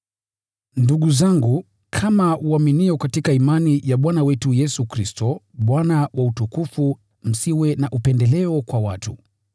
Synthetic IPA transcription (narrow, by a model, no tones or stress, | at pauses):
nduɠuzaŋɡu | kʰamauaminiɔkatikaimanijaɓwanawɛtujɛsukɾistɔɓwanawʔautukufu | m̩siwɛnaʔupɛndɛlɛɔkwawatu